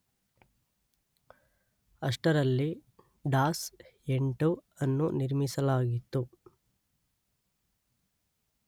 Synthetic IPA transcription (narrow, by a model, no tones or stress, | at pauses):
ɐʂʈɐɾɐlːi | ɖaːseɳʈuɐnːuniɾmisɐlaːɡit̪ːu